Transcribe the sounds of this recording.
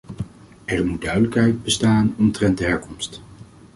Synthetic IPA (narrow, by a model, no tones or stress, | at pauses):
ɛɹmud̚dœɥdələkɦɛjd̚bəstaːnɔmtrɛntdəɦɛɹkɔmst